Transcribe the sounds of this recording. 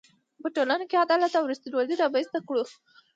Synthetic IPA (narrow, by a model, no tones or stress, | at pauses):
pəʈolanokead̪ɑlat̪awɾust̪idwold̪iɾabaist̪akɽu